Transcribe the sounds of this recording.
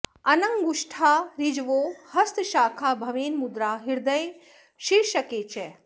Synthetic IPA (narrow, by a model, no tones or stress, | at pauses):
ɐnɐŋɡuʃʈʰaːɾid͡ʒʋoːhɐst̪ʃaːkʰaːbʱɐʋeːnmud̪ɾaːɦiɾd̪ɐj | ʃiɾʃɐkeːt͡ʃʰe